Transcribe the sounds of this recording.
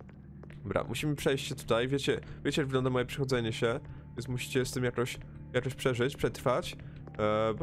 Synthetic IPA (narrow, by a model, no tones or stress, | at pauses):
bɾa̰mʔuɕimɘpʂɛjɕt͡ɕɕɛt̪u̥t̪ajvʲjet͡ɕɛvʲjet͡ɕɛjaɡvɘɡlɔnd̪amɔjɛpʂɛ̥xɔd̪zɛɲɛɕɛvʲjɛnsmuɕi̥t͡ɕɛst̪ɘmjakɔɕ | jakɔɕpʂɛʐɘt͡ɕpʂɛt̪ɾfat͡ɕ